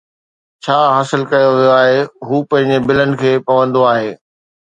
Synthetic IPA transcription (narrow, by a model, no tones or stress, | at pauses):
t͡ɕʰaːɦaːsɪlkɐjoʋijoaːɦeɦuːpɐ̃ɦɪ̃ɲd͡ʑebɪlənɪ̆kʰeːpɐʋə̃nd̪oaːɦeː